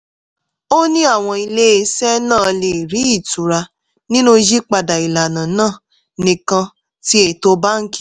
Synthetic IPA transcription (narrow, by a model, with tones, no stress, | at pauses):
o˦nĩ˦a˦˨w̃ɔ̃˧i˧le˦e˧sɛ˦nãː˦˨le˨ɾi˨˦i˦˨tu˨ɾa˧ | nĩ˦nũ˦d͡ʒi˦k͡pa˧da˨i˨la˨nã˨nãː˦˨ | nĩ˧kã˧ | ti˦e˦˨to˧ba˦ŋ̩˦ki˦